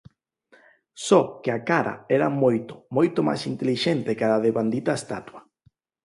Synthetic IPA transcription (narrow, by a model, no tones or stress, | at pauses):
sɔkeakaɾa̰ɛɾamojt̪o̥mojt̪oma̰sint̪eliʃent̪ɪkaaðeβand̪it̪aest̪at̪wɐ